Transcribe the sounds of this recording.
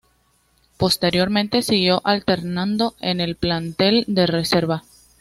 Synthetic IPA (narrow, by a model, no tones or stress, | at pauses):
po̞st̪e̞ɾjo̞ɾmẽnt̪e̞siɣjo̞ʔalt̪e̞ɾnãnd̪o̞e̞ne̞lplant̪e̞ld̪e̞re̞se̞ɾβa